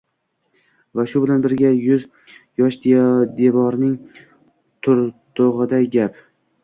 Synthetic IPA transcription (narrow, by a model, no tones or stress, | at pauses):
vaʃʊbɪlanbɪɾɡʲajʊz | jɒʃd̪ed̪e̞vɒɾnɪŋ | t̪ʰʊɾt̪ʰoʁɨd̪ajɡʲap